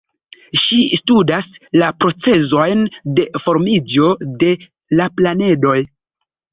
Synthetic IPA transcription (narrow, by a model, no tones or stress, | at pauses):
ʃistudaslapɾo̞t͡se̞zo̞jnde̞fo̞ɾmid͡ʒo̞de̞ | laplane̞do̞j